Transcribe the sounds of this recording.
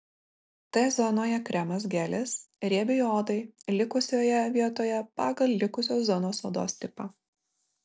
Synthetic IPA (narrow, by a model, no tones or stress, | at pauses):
t̪ɐjzɔnoːjɛkɾʲɛmɐsɡʲæːlʲɪsɾʲiɛbʲɪjoːd̪ɐɪlʲɪkʊsʲoːjɛʋʲiɛt̪oːjɛpɑːɡɐlʲˠlʲɪkʊsʲoːszɔnoːsoːd̪o̰ːst̪ʲɪpɐ